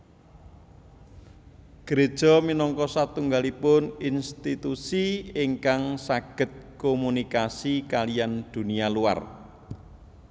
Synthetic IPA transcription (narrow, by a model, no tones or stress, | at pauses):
ɡ̥əɾed̥ʒ̥ɔ̤minɔŋkɔsat̪uŋɡalipʊninst̪it̪usiiŋkaŋsaɡ̥ə̤t̪̚komunikasikalijand̪̥ṳnialua̰r